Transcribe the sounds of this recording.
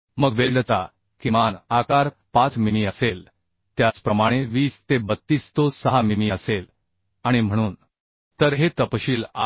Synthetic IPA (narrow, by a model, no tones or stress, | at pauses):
məɡʋelɖt͡sa̰ | kimanakaɾ | pãt͡smimiəsel | t̪jat͡spɾəmaɽ̃eʋiːst̪ebət̪ːiːst̪osəɦamimiəsel | aɽ̃im̤əɽ̃uːn | t̪əɾɦet̪əpɕiːla̰